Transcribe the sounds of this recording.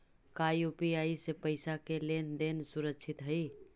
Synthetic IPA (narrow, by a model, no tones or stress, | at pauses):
kaːjupiaːisepəɪsakelend̪ensuɾəkʃʰɪt̪ɦəi